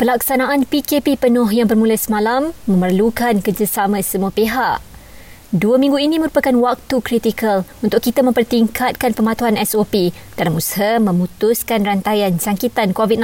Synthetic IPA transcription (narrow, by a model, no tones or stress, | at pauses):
pəlaksanãʔanpikepipənɔ̃hjaŋbərmũləsəmalamːə̃mərlukankərd͡ʒasamãsəmuəpeɦaʔ | duəmĩŋɡuinĩmə̃ɾupakanwak̚t̪ukɾit̪ikəlunt̪ʊʔkːit̪amə̃mpərt̪iŋkʰat̪̚kanpəmãt̪uɦanɛsopid̥alamusɦəmə̃mũt̪uskanrant̪ajansaŋkit̪ankovit̪̚n